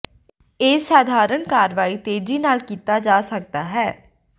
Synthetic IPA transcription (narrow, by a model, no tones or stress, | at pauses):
eːsaːd̪ʱaːɾəɳkaːɾʋaːiːt̪eːd͡ʒiːnaːlkiːt̪aːd͡ʒaːsək̚t̪aːɦɛː